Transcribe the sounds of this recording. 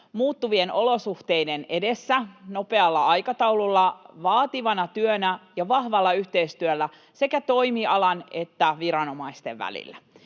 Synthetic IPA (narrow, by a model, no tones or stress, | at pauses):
muːt̪ːuʋieno̞losuht̪eidene̞desːæno̞pe̞ɑlːɑɑjkɑt̪ɑwlulːɑʋɑːt̪iʋɑnɑt̪yønæjɑʋɑhʋɑlːɑyht̪eist̪yølːæ | se̞kæt̪o̞imiɑlɑnet̪ːæʋiɾɑnomɑist̪ḛʋʋæ̰lḭlːæ